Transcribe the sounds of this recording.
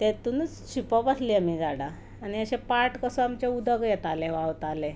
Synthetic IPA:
t̪et̪un | ɕipɔpəsliamid͡zaɽaː | niəɕẽpaɾʈkəsuamt͡ɕeud̪ʱəɡjɛt̪aleʋawt̪ale

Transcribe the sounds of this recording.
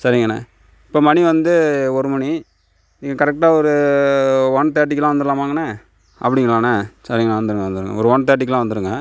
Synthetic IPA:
sɐɾɪŋɡɐnːɐ̰ | ɪpːoːmɐɳiʋɐnd̪ɯɔɾɯmɐɳi | niːŋːɐkɐɾɛk̚ʈaːɔɾɯ | ʋɐɳt̪̬ːjaːʈ̬ːɪkːɐlãːʋɐnd̪ɯɾlaːmaːŋɡɐnɐ | ʔɐ̰pːɐɽɪŋɡɐlaːnɐsɐɾɪŋɡɐɭãːʋɐnd̪ɯɾɯŋɡɐʋɐnd̪ɯɾɯŋɡɐ̰ɔɾɯʋɐɳt̪ɐjaːʈːɪkːlãːʋɐnd̪ɯɾɯŋɡɐ

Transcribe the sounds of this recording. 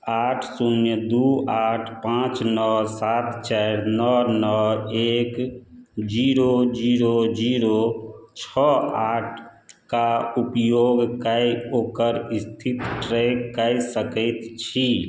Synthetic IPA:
aːʈʰsunjəd̪uaːʈʰpãt͡ʃnɔsaːt̪t͡ʃaɾnɔnɔeːk | d͡ʒiːɾod͡ʒiɾod͡ʒiɾot͡ʃʰɔaːʈʰkaupjoɡkəjoːkəɾist̪ʰit̪ʈɾekkəjsəkət̪t͡ʃʰi

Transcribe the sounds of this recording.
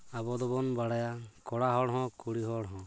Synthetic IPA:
abɔd̪ɔbɔnbaɽajakɔɽaɦɔɽɦɔ̃kuɽiɦɔɽɦɔ̃

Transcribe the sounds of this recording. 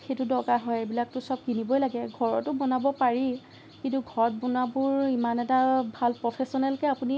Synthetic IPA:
xetʊdɔɡaɦɔjebilak̚tʊsɔb̚kinibɔjlaɡɛɡʱɔɹɔtʊbɔnabɔpaɹi | kintuɡʱɔɹɔt̚bɔnabʊɹimanɛtabʱalpɹɔpʰesɔnɛlkɛapuni

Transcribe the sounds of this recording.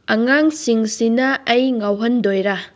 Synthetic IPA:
ɐŋaŋsiŋsinɐɐjŋawɦɐndojɾa

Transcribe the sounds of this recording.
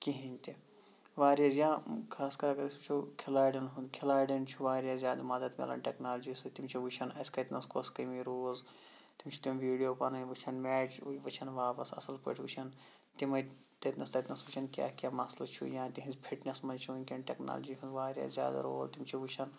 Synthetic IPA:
kiɦĩnʲt̪i | ʋaːɾijazjãːkʰaːskɐɾɐɡɐɾist͡ʃʰukʰilaːjɖɐnɦund̪kʰilaːjɖɐnt͡ʃʰuʋaːɾijaːzjaːd̪amɐd̪ɐt̪m̰ʲlɐ̰nʈʲeknaːld͡ʒisɨt̪imt͡ʃʰuʋut͡ʃʰɐnɐsʲkɐt̪nɐskoskɐmiɾoːz | t̪imt͡ʃʰu̥t̪imʋiːɽijoːpɐnɐnʲʋɨt͡ʃʰɐnmɛːt͡ʃʋɐt͡ʃʰɐnʋaːpɐsɐ̰sɐlpo̰ːʈʰʋut͡ʃʰɐn | t̪imɐ | t̪ɐt̪nɐst̪ɐt̪ʲnɐsʋut͡ʃʰɐnkʲa̰ːkʲjaːmɐslɐt͡ʃʰṵjãːt̪iɦinzpʰiʈnɐsmɐnt͡ʃʰunʲkʲɐnʈekna̰ːld͡ʒiɦũnd̪ʋaːɾja̰ːzja̰ːd̪a̰ɾo̰ːlt̪imt͡ʃʰuʋut͡ʃʰɐn

